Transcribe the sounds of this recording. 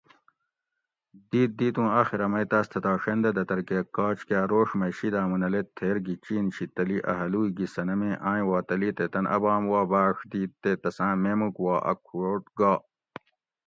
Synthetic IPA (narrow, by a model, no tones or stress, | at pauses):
d̪iːt̪̚d̪iːt̪ũːaxiɾɐmɐjt̪aːst̪ʰɐt̪aːʂend̪ɐd̪ɐt̪ɐɾkekaːt͡ɕkaːɾoːʂmɐjɕid̪aːmunɐlet̪ʰːeɾɡit͡ɕiːnɕit̪ɐliʔɐ̰ɦɐluːiɡisɐnɐmẽːʔãːj̃waːt̪ɐliːt̪et̪ɐnʔɐ̰baːmwaːbaːʂd̪iːt̪ːet̪ɐsãːmemukwaːʔɐ̰kʰuoʈ̚ɡaː